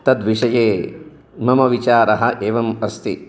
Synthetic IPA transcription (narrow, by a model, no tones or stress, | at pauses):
t̪ɐd̪ʋiʂɐjeː | mɐmɐʋit͡ʃaːɾɐɦɐ̆ʔeːʋɐmɐst̪i